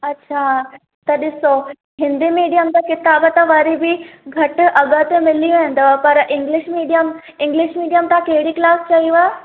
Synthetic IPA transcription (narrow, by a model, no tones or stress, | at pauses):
ɐtːɕʰa | t̪ɐɗ̪ɪso | ɦɪ̃nd̪imiːɖijəmt̪əkɪt̪abət̪əʋəɾibʱiɡʱɐʈʔɐɡət̪emɪliẽnd̪əpɐɾʔɪŋɡlɪɕmiːɖijəm | ɪ̃ŋɡliʃmiːɖijəmt̪akeɦɽiːklaːst͡ʃɐɦiʋə